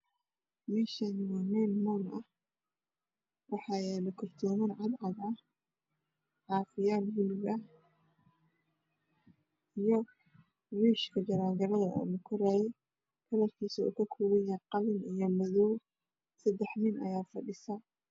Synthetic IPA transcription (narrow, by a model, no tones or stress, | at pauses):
mɛːʃanmɔnɛnmɔːnɐh | wɑħɑːjɛːlɐkʰɔrt̪ʰɔːmɪnʕɑd̪ʕɑðɐ | ʕɑːfɪjaːlwʊlɪɡɐh | ijɔ | wiːʃkʰɐd͡ʒɐɾaːŋɡɐlɐðɐɔ̰ːlɐkʰʊɾaːjɛj | kʰɐlɐrkʰiːsɐṵːkʰɐkʰuːwɛjaqɑlɪnijɔmɐðɔw | sɐd̪ɛħnɪnʔɐ̰jaːfɐɖɪsɐ